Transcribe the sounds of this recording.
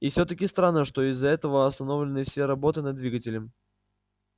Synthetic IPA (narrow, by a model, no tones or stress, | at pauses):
ifsʲɵt̪əkʲɪst̪ɾanːəʂt̪o̞ɪzːɐɛt̪əvəɐst̪ɐno̞vlʲɪnɨfsʲeɾɐbo̞t̪ɨnɐd̪d̪vʲiɡətʲɪlʲəm